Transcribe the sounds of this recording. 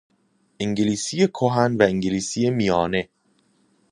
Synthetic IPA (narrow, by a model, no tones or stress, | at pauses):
ʔiŋɟeliːsijekʰoɦænvæeŋɟeliːsijemijɒːne̞